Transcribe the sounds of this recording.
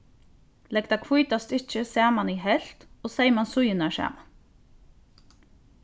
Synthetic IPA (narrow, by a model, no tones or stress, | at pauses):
lɛɡd̪ɑːkʰʋʊjt̪ɑst̪ɪc͡çəsæːmɑniːhɛlt̪oːseɪmɑnsʊjənæʃæ̰ːmɑn